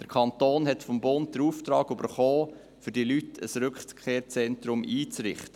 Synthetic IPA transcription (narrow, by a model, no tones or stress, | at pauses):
d̥əɾkʰɑntoːnɦɛtfɔmbʊnt̚d̥̪əɾuːft̪ɾɑːɡybəɾχoː | fʏɾdilytʰə̰sɾʏkχkʰeːɾt͡sɛnt̪ɾʊmʔiːt͡sɾɪ̰χtə